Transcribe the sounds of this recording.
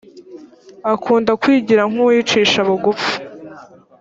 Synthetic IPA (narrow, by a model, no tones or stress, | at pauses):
akʰuːndakwiːɟiɾaŋ̥uwit͡ʃiːʃaβuɡufu̥